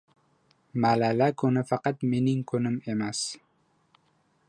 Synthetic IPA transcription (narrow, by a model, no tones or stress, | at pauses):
malalakʰʊnɪfɑqɑt̪me̞nɪŋkʰɵnɪme̞mas